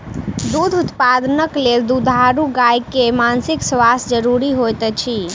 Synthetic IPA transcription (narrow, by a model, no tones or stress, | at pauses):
d̪ud̪ʱut̪pad̪nəkleld̪ud̪ʱaɾuɡajkemansiksʋasd͡ʒəɾuɾiɦojt̪ɛt͡ʃʰi